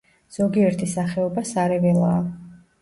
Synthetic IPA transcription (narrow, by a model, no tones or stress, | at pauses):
z̥ɔɡiɛɾt̪ʰisaχɛɔbasaɾɛvɛlˠaː